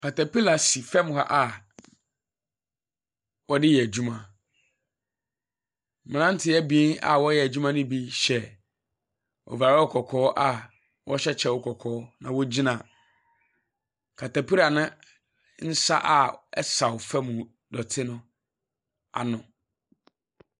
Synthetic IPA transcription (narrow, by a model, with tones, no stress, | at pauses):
kʰa˨tʰa˨pi˦la˨si˨fɛ˦m˨ha̰˦ʔa˨ | wɔ˦dɪ˦jɛ˨æ˨d͡ʑu˦mã˨ | m̃˨nã˦n˦tʰɪ˦ɛ˦bi˦a̰˨wɔ˦jɛ˨æ˨d͡ʑᶣu˦mã˦nʊ̃˦bi˦ɕɛ˦ | ɔ̰˨va˨ɾɔ˦˨kʰɔ˨kʰɔː˦ʔa˨ | wɔ˦ɕɛ˦t͡ɕʰɛ˦˨wʊ˦kʰɔ˨kʰɔː˨˦nã˨wɔ˦d͡ʑi˦nã˨ | kʰa˨tʰa˨pʰi˦ɾa˨nʊ̃˦ | n̩˦sa̰˦ʔa˦˨ɛ˦sa˨wʊ˨fɛ˦mʊ̃˨ | dɔ˨tʰɪ˦nʊ̃˦ | a̰˨nʊ̃˨